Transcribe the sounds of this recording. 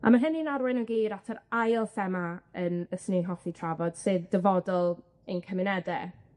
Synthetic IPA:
a̰maɦɛninaɾwɪnənɡiːɾatʰəɾajlˠfɛmaənəsnɪnɦɔθitʰravɔd̥sɨðdəvɔdɔlˠ | enkʰəmɪnɛdɛ

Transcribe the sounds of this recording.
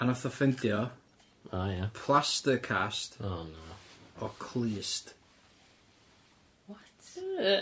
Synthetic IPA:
anaθɔfɛntjɔ | ajapʰlˠastəkʰastɔnaɔkʰlˠiːst | wɔt

